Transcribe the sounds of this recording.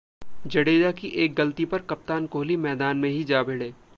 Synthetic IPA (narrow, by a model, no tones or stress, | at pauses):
d͡ʒɐɽeːd͡ʒakiʔeːk̚ɡɐlt̪ipɐɾkɐp̚t̪aːnkoːlimɛːd̪aːnmẽɦid͡ʒaːbʱɪɽeː